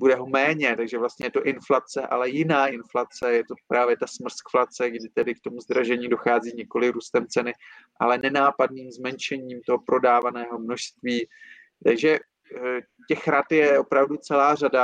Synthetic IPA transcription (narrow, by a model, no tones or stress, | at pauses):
budɛɦo̞mɛːɲɛt̪aɡʒɛvlast̪ɲɛjɛt̪o̞ʔɪnflat͡sɛʔalɛjɪnaːʔɪnflat͡sɛjɛt̪o̞pɾaːvjɛt̪asmr̩skflat͡sɛɡdɪt̪ɛdɪkt̪o̞muzd̪ɾaʒɛɲiːdo̞xaːziːɲɛko̞lɪɾuːst̪ɛmt͡sɛnɪʔalɛnɛnaːpadniːmzmɛnt͡ʃɛɲiːmt̪o̞ɦo̞pɾo̞daːvanɛːɦo̞mno̞ʃst̪viː | t̪aɡʒɛ | cɛxɾat̪jɛʔo̞pɾavdut͡sɛlaːrada